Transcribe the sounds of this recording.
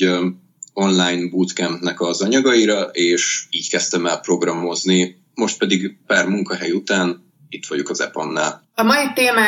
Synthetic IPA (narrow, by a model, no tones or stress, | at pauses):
o̞nlaːjnbuːt̪kɛnt̪nɛkɒzɒɲɒɡɒiɾɒʔeːʃiːɟkɛst̪ɛmɛlpro̞ɡrɒmo̞zni | mo̞ʃt̪̚pɛd̪iɡpaːrmuŋkɒɦɛjut̪aːn | it̪ʋɒɟokɒzɛ̰po̰nːa̰ːl | ɒmɒit̪eːmaː